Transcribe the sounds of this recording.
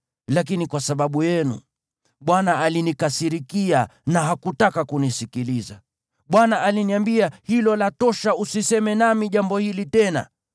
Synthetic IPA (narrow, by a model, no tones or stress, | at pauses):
lakinikwasaɓaɓujɛnṵ | ɓwanaːlinikasiɾikianaɦakutakakunisikiliza | ɓwanaʔaliniambiahilɔlatɔʃausisɛmɛnamiʄambɔhilitɛna̰